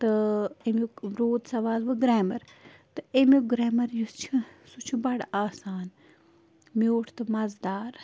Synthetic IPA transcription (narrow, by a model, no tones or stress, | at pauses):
t̪ɨemuɾoːd̪sɐʋaːlʋɨɡɾɛːmɐɾ | t̪ɨemiɡɾɛːmɐɾjust͡ʃʰisut͡ʃʰubɐɽaːsaːn | moːʈʰt̪ɨmɐzd̪aːɾ